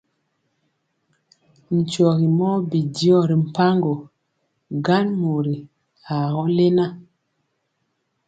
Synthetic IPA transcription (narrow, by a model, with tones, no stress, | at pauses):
n̩˨t͡ʃɔ˨ɣi˨mɔ˦bi˨di˦ɔ˦˨ɾi˨m̩˨pa˦ŋɡo˨ | ɡa˦nmo˨ɾi˨ | a˨ɣɔ˦le˦na˦